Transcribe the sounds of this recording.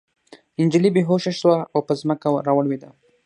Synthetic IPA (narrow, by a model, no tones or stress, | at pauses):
ɪnd͡ʒilibeɦoʃaʃwaawpəzməkawɾawəɽwed̪a̰